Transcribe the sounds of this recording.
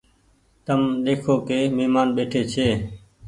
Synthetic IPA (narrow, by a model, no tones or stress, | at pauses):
t̪əmɗ̪eːkʰoːkeːmeːmaːnɓeːʈʰeːt͡ʃʰeː